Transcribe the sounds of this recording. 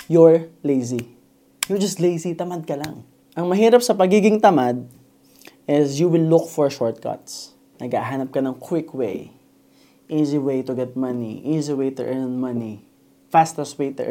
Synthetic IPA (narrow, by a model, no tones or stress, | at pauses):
jɔɹlejzi | jɔɹd͡ʒɐst̪lejsit̪ɐmad̪̚kɐlaŋ | ʔɐŋmɐɦiːɾɐp̚sɐpɐɡiːɡɪŋt̪ɐmad̪̚ | ʔɪsjuwɪlːʊkfɔɹʃɔɹt̪̚kʰɐ̰t̪s | nʔɐɡaɦaːnɐp̚kɐnɐŋkʰwɪkʰwḛj | ʔiziwejt̪ʊɡɛt̪̚mɐnḭʔiziwejt̪ʊ̰ʔɛnmɐni | fast̪ɐswet̪ʊ̰